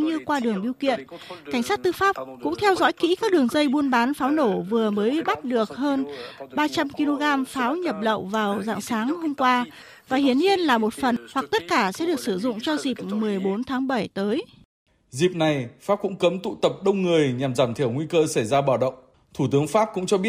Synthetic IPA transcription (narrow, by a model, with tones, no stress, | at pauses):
ɲɨ˧kwaː˧ɗɨ˨˩əŋɓi˧wkḭ˧˨ənka˧˩jŋ̟saː˦˥t̚t̪ɨ˧faː˦˥p̚kʊ̰˧˥ŋ͡mt̪ʰɛ˧wzɔ̰˧˥jkḭ˧˥kaː˦˥k̚ɗɨ˨˩əŋzə˧jɓu˧ənɓaː˨˦nfaː˨˦wno˧˩vɨ˨˩əməː˨˦ji˧ɓa˦˥t̚ɗɨ˨˩ək̚həː˧nɓaː˧t͡ɕa˧mki˧lo˧ɣaː˧mfaː˨˦wɲə˨˩p̚lə̰˧˨wvaː˨˩wza̰ː˧˨ŋsaː˨˦ŋho˧mkwaː˧ | vaː˨˩hi˧˩ənɲi˧ənlaː˨˩mo˨˩t̚fə˨˩nhwa˨˩k̚t̪ə˦˥t̚kaː˧˩sɛ̰˧˥ɗɨ˨˩ək̚sɨ˧˩zʊ̰˧˨ŋ͡mt͡ɕɔ˧zi˨˩p̚mɨ˨˩əjɓo˨˦nt̪ʰaː˨˦ŋɓə˧˩jt̪əː˨˦j | zi˨˩p̚na˨˩jfaː˦˥p̚kʊ̰˧˥ŋ͡mkə˨˦mt̪ṵ˧˨t̪ə˨˩p̚ɗə˧wŋ͡mŋɨ˨˩əjɲa˨˩mzaː˧˩mt̪ʰi˧˩əwŋwi˧kəː˧sa˧˩jzaː˧ɓaː˧˩wɗə̰˧˨wŋ͡m | t̪ʰu˧˩t̪ɨ˨˦əŋfaː˦˥p̚kʊ̰˧˥ŋ͡mt͡ɕɔ˧ɓi˦˥ət̚